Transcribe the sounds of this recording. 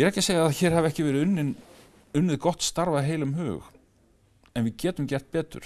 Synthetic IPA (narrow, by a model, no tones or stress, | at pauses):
jɛɾɛhcɪ̥seːjɪaðçɛːɾ̥havɛhcɪvɛːɾɪʏnːɪn | ʏnːvɪðkɔht̪st̪aɾvaðɦeːjlʏmɦʏ̰ːx | ɛnvɪðcɛːt̪ʏmcɛr̥t̪̚pɛːt̪ʏ̰ɾ̥